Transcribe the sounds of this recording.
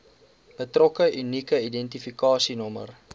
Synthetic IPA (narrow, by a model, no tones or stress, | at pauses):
b̥ətrɔkəʔynikəidɛntifikɑːsinɔmə̰r